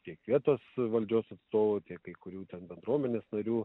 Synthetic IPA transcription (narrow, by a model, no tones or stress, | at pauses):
t̪ʲiɛkʋʲiɛt̪oːsʋɐlʲd͡ʒʲoːsɐt̪st̪oːʋot̪ʲiɛkkːɐɪkʊɾʲuːt̪ʲɛnbʲɛnd̪ɾuɔmʲɛnʲeːsnɐɾʲuː